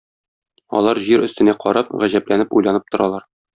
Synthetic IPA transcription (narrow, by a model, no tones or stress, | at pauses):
ɒ̰lˠɑɾʑiɾɵ̆st̪ɘ̆næqɒɾɑp̚ʁæʑæplænɘpujlˠɑnɤp̚t̪ŏɾɑlˠɑɾ